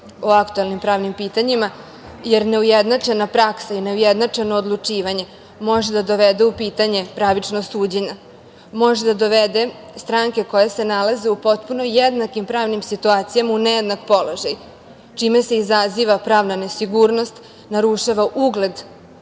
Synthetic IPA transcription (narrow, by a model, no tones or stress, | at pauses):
oakt̪uelnimpɾaːʋnimpiːt̪aɲima | je̞ɾne̞ujed̪nat͡ʂe̞napɾaksaine̞ujed̪nat͡ʂe̞noːd̪lˠut͡ʂiːʋaɲe̞ | mo̞ʒed̪ad̪o̞ʋed̪eupiːt̪aɲe̞pɾaʋit͡ʂnosuːd͡ʑeɲa | mo̞ʒed̪ad̪o̞ʋed̪e | st̪ɾaːŋke̞ko̞jase̞nalaze̞upo̞t̪puno̞jed̪nakimpɾaːʋnimsit̪uaːt̪sijamaunejed̪nakpo̞loʒaj | t͡ʃime̞se̞izaziːʋapɾaːʋnane̞siɡuːɾno̞st̪ | naɾuʃaʋaʔuɡle̞d̪